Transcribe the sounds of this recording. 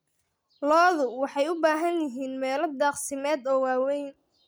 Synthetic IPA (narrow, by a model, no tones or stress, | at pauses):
lɔːðʊwɑħɑjʊbaːɦɐnjɪɦiːnmɛːlɔd̪ɑːqsɪmɛːd̪ɔːwaːwɛjn